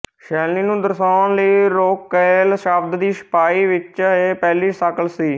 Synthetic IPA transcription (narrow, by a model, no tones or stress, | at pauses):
ʃɛːliːnũːd̪əɾsaːnləiːɾoːkːeːlʃaːb̚d̪d̪iːsə̥paːiːʋɪt͡ʃaeːpɛːliːsakəlsiː